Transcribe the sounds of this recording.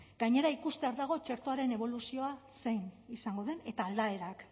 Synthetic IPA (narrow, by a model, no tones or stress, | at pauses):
ɡ̥ajɲe̞ɾaikust̪e̞aɾðaɣ̞o̞t͡ʃe̞ɾt̪oaɾe̞ne̞β̞o̞lusio̞ase̞jnisaŋɡo̞ðe̞ne̞t̪aːld̪ae̞ɾak